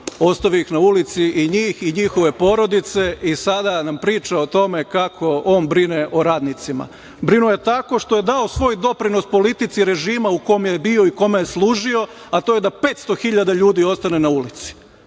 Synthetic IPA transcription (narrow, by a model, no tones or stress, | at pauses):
o̞st̪aʋiixnaulit̪siʔiɲiːxiɲixo̞ʋe̞po̞ɾo̞d̪it̪se̞ʔisad̪anampɾiːt͡ʃaot̪o̞me̞kakʰo̞oːnbɾineʔoɾaːd̪nit̪sima̰ | bɾinuje̞t̪ako̞ʃt̪o̞je̞d̪ao̞sʋo̞ːjd̪o̞pɾino̞spo̞lit̪it̪siɾe̞ʒiːmauko̞mjebio̞iko̞mejeslˠuːʒio̞ | at̪o̞ːjed̪ape̞ːt̪st̪o̞xiʎad̪aʎuːd̪io̞st̪ane̞naulit̪si̥